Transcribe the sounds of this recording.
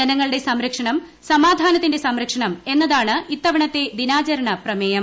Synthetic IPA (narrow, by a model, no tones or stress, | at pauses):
ɐnɐŋːɐɭɨɽesɐmɾɐkʂɐɳɐm | sɐmaːd̪ʱaːnɐt̪ːinde̞sɐmɾɐkʂɐɳɐme̞nːɐðaːɳɨit̪ːɐʋɐɳɐt̪ːe̞d̪inaːt͡ɕɐɾɐɳɐprɐmeːjɐm